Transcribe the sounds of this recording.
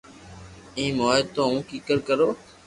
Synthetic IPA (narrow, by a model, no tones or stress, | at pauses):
ĩːmoːɪt̪õːũːkiːkəɾkəɾoː